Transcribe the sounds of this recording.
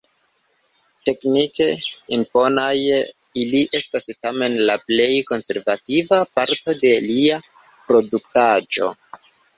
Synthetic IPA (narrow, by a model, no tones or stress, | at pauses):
te̞knike̞impo̞naj | iliʔe̞stastame̞nlaple̞jko̞nse̞ɾvativapaɾto̞de̞lia | pɾo̞duktad͡ʒo̞̰